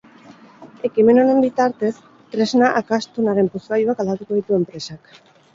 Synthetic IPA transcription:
e̞kime̞no̞ne̞mbit̪aɾt̪e̞s | t̪ɾe̞znaʔakast̪unaɾe̞mpuskajuakald̪at̪uko̞ð̞it̪ue̞mpɾe̞sak

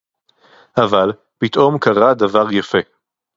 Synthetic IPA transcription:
ʔaval | pit̪ʔo̞mkaʁad̪avaʁjafe̞

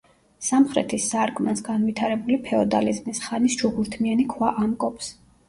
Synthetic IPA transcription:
samχɾɛ̰t̪ʰisːaɾkʼmansɡanvit̪ʰaɾɛbulipʰɛɔd̪a̰lizmisχanisd͡ʒuɡuɾt̪ʰmianikʰwaʔamkʼɔpʰs

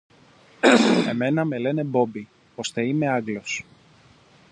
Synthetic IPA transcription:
e̞me̞nɐme̞le̞ne̞bo̞bi | o̞st̪e̞ime̞ɐɡlo̞s

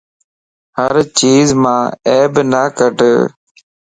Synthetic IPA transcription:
həɾt͡ʃiːzmãːeːbnaːkəʈ

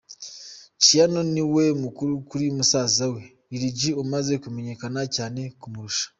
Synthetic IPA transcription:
cijano̞niwe̞mukuɾukuɾimusaːzawe̞ | iɾiɟiomaze̞kume̞ɲe̞kanacaːne̞kumuɾuʃḁ

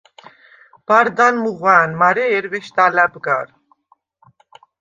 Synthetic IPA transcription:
b̥aɾd̪anmuʁaːnmaɾɛɛɾvɛʃt̪alabɡaɾ

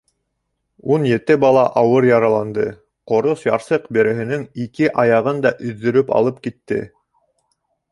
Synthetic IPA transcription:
unjɘ̆t̪ɘbɑlˠɑʔɑwɤɾjɑɾɑlˠɑnd̪ɤ | qŏɾosjɑɾsɤqbɘ̆ɾɘ̆ɦɘ̆nɘŋikɘʔɑjɑʁɤnd̪ɑʔɵ̆ðːɵ̆ɾɵpɑ̰lˠɤp̚kit̪ːɘ̰

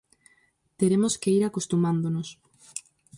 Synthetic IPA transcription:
t̪eɾemoskeiɾakost̪umãnd̪onos

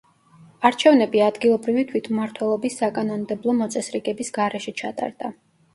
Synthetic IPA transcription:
aɾt͡ʃʰɛvnɛbiad̪ɡilˠɔbɾivit̪ʰwit̪ʰmaɾt̪ʰwɛlˠɔbisːakʼanɔnmd̪ɛblˠɔmɔt̪sʼɛsɾiɡɛbisɡaɾɛʃɛt͡ʃʰat̪ʼa̰ɾd̪̥a

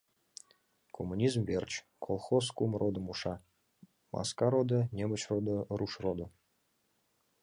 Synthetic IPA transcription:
kʰomːunʲizmvʲert͡ɕ | kʰolˠχoskumrʔod̪əmuʃɑ | mɑ̰skɑɾod̪ə̆nʲemət͡ɕrod̪əruʃrod̪ə̆

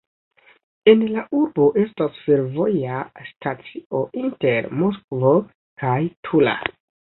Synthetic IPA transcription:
e̞nlaʔuɾbo̞ʔe̞stasfe̞ɾvo̞jastat͡siʔo̞ʔinte̞ɾmoskvo̞ | kajtʰula̰

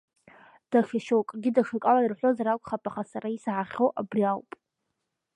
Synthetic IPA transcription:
d̥aʂʰaʃokʼɡʲɪdaʂɨkʼawairħʷozaɾakʷʼχapʼaχasaɾaisʕaχʲoʔabriawpʼ

